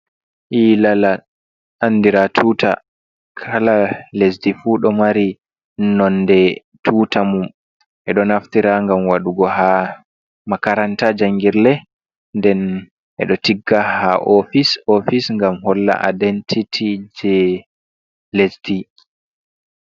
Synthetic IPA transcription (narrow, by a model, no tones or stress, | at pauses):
ʔilala | ʔanːdiɾatʰuːta̰ | kʰalalesdifuːɗɔmaɾi | nɔndɛ | tʰuːtamum | ʔɛɗɔnaftiɾaŋɡamwaɗuɡɔha | makaɾantad͡ʒaŋɡiɾlɛ | ndɛn | ʔɛ̰ɗɔtiɡːahaʔɔfisɔfisŋɡamhɔlːa̰ʔa̰dentʰitʰid͡ʒɛ | lesdi